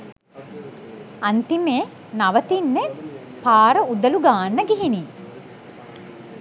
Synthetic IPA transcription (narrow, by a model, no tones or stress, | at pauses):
ant̪imeː | naʋət̪inːe | paːɾəud̪əluɡaːnːəɡiɦiniː